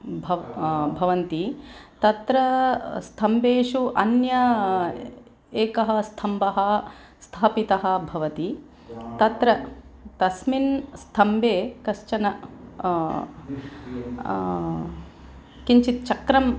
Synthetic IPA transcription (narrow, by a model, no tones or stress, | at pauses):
bʱɐbʱɐʋɐnt̪it̪ɐt̪ɾɐst̪ʰɐmbeːʂuʔɐnjɐ | eːkɐɦɐ̆st̪ʰɐmbɐɦɐ | st̪ʰaːpit̪ɐɦɐ̆bʱɐʋɐt̪i | t̪ɐt̪ɾɐt̪ɐsminst̪ʰɐmbʱeːkɐʃt͡ʃɐnɐ | kiɲt͡ʃit̪̚t͡ʃɐkɾɐm